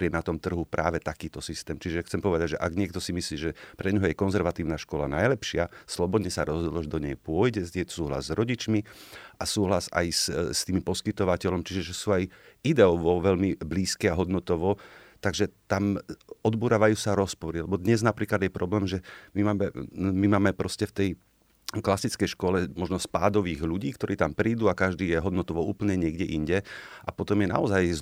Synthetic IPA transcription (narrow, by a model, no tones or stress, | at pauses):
ɾɪɛnat̪ɔmt̪r̩ɦupɾʔaːʋɛt̪akiːt̪ɔsist̪ɛːmt͡ʃiʒɛxtt͡sɛmpɔʋɛd̪aɟʒɛʔaɡɲɪɛkt̪ɔsimisliːʒɛpɾɛɲɦɔjɛkɔnzɛɾʋat̪iːʊnaʃkɔla̰najlɛpʃɪaslɔbɔd̪ɲɛsaɾɔzɦɔd̪lɔʒɛd̪ɔɲɛjpʊɔjɟɛjɛt̪ɔ̥suːɦla̰zzɾɔɟit͡ʃmiʔasuːɦlaza̰jsst̪iːmpɔskit̪ɔʋacɛʎɔmt͡ʃiʒɛʒɛsuːajid̪ɛɔʋɔʋɛʎmibliːskɛaɦɔd̪nɔt̪ɔʋɔt̪aɡʒɛt̪amɔd̪buːɾaːʋajuːsaɾɔspɔɾilɛbɔd̪ɲɛznapɾiːklad̪jɛpɾɔblɛːmʒɛmimaːmɛmimaːmɛpɾɔscɛft̪ɛj | klasit͡skɛjʃkʊɔlɛmɔʒnɔspaːd̪ɔʋiːɣʎuɟiːkt̪ɔɾiːt̪ampɾiːd̪uːakaʒd̪iːjɛɦɔd̪nɔt̪ɔʋɔuːpl̩ɲɛɲɪɛɡɟɛʔiɲɟɛʔapɔt̪ɔmjɛna̰ɔzaj